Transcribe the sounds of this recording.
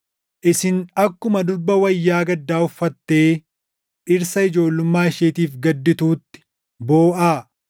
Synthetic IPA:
ʔɪsɪnɐkːʊmɐd̪ʊɾbɐwɐjːaːɡɐd̪ːaːʊfːɐt̪ːe̞ː | ʔɪɾsɐɪd͡ʒo̞ːlːʊmːaːɪʃeːt̪iːfɡɐd̪ːɪt̪uːt̪ːɪ̥ | bo̞ːʔaː

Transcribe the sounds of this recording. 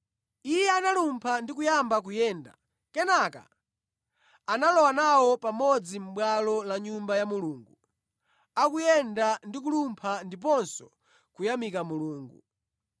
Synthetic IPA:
ijɛanalumpʰandikujambak̬ujɛːnda̰ | kɛnaka̰ | analɔwanawɔpamɔd͡zim̩ɓwalɔlaɲumbajamuluːŋɡu | akujɛndandik̬ulumpʰandip̬ɔnsɔ | kujamikamuluːŋɡu

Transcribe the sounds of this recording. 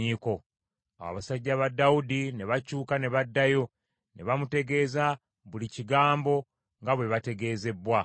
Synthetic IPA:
iːko̞ | a̰wa̰βasaɟːaβadːaudine̞βacuːkane̞βadːajo̞ | ne̞βamute̞ɡe̞ːza | βuliciɡaːmbo̞ | ŋɡaβwe̞βate̞ɡe̞ːze̞bwa

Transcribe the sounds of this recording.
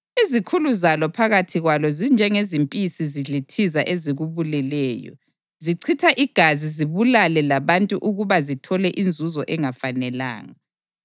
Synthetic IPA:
izikʰuluzalɔpʰaɣatʰiɣwalɔzind͡ʒʱɛŋezimpʼisiziɮitʰizaʔeziɣuβulɛlɛːjɔ̰ | ziǀʰitʰaʔiɡ̥ʱaziziβulalɛlaβantʼuʔuɣuβazitʰɔlɛʔind͡zʱuzɔʔɛŋafanɛla̰ːŋa

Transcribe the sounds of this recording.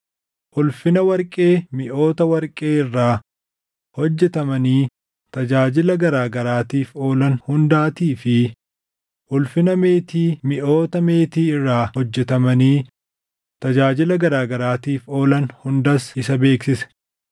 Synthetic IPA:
ʔʊlfɪnɐwɐɾkʼe̞ːmɪʔo̞ːt̪ɐwɐɾkʼe̞ːɪrːaː | hɔd͡ʒːɛt̪ɐmɐniː | t̪ɐd͡ʒaːd͡ʒɪlɐɡɐɾaːɡɐɾaːt̪iːfo̞ːlɐnhʊnd̪aːt̪iːfɪ | ʔʊlfɪnɐme̞ːt̪iːmɪʔo̞ːt̪ɐmeːt̪iːɪrːaːhɔd͡ʒːɛt̪ɐmɐniː | t̪ɐd͡ʒaːd͡ʒɪlɐɡɐɾaːɡɐɾaːt̪iːfo̞ːlɐnhʊnd̪ɐsɪsɐbeːksɪsɛ̥

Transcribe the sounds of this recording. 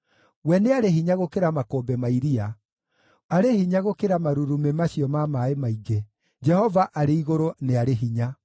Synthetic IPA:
wɛneaɾeɦiɲaɣokeɾamakoːbɛmaiɾia | aɾehiɲaɣokeɾamaɾuɾumemaɕiɔmamaemaiɡe | d͡ʒɛhɔvaʔaɾeiɣoɾoneaɾeɦiɲa

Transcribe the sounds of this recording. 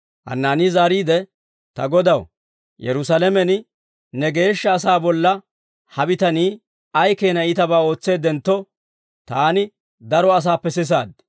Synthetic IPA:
hɐ̰nːaːniːzaːɾiːd̪ɛ | t̪ɐɡɔd̪ɐw | jɛ̰ɾʊsalɛmɛn | nɛɡe̞ːʃːɐːs̬aːbɔlːɐ | hɐbɪt̪ɐniː | ɐjkeːnɐɪt̪ɐbaːo̞ːt͡sːe̞ːd̪ɛnt̪ːɔ | t̪aːnɪ | d̪ɐɾɔɐs̬aːpːɛs̬ɪs̬aːd̪

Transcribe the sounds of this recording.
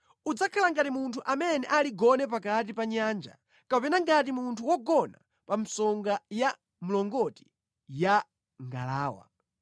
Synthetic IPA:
ud͡zakʰalaŋɡatimuntʰuʔamɛnɛʔaliɡɔnɛp̬akat̬ipaɲaːnd͡ʒa̰ | kapɛnaŋɡat̬imuntʰuwɔɡɔna̰ | pam̩sɔŋɡaja | mulɔŋɡɔti̥ | ja | ŋɡa̰laːwa̰

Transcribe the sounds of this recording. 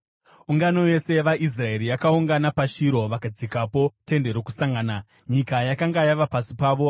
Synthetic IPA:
uŋɡano̞je̞se̞ʋaʔis̬rae̞ɾijakauŋɡanapaʃiɾo̞ʋakad͡zikapo̞te̞nde̞ɾoku̥saŋɡaːna | ɲikajakaŋɡajaʋapasipaːʋo̞

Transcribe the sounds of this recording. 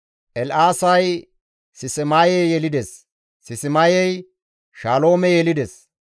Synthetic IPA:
ʔɛlʔaːsɐj | sɪsɛmaːjɛjjɛlɪd̪ɛsː | ɪsɪmajɛj | ʃaːlo̞ːmɛjɛlɪd̪ɛs

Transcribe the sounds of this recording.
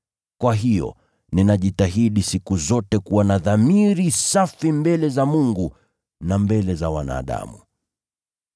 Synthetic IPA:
kwaɦijɔ̰ | ninaʄitaɦiɗisikuzɔtɛkuwanaðamiɾisafimbɛlɛzamuŋɡu | nambɛlɛzawana̰ːɗa̰mṵ

